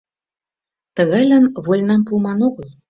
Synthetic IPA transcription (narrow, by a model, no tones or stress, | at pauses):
t̪ə̆ɣɑjlɑnβolʲnɑmpumɑnoɣə̆lˠ